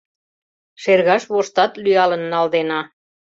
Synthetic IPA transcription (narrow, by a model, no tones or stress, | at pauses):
ʃerɣɑʃβoʃt̪ɑt̪lyɑlə̆nːɑld̪enɑ